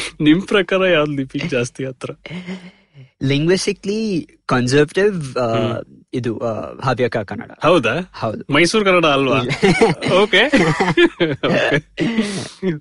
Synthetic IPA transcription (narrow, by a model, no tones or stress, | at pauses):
nimpɾɐkaːɾɐjaːʋd̪d̪ipikd͡ʒaːst̪iɐt̪ɾɐ | liŋɡʋisʈiklikɔnzəɾʋɐʈiʋ | id̪uɦaʋjɐkakɐnːɐ̰ɽa̰hɐwd̪ahɐwd̪umɐjsuːɾkɐnːɐɽaːlʋaː | oːke | oːke